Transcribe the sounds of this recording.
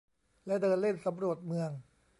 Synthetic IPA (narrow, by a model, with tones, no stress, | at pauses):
lɛ˦˥dɤː˧nle˥˩nsa˩˦mɾu˨˩ət̪̚mɯ˧əŋ